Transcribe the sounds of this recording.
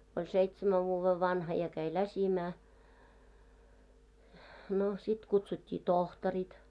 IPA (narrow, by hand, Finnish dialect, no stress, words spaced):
olʲ seitsemæʋ ʋuːʋːeʋ ʋɑnhɑ jɑ kæi læsimæː no sit kutsutʲːiː tohtɔrit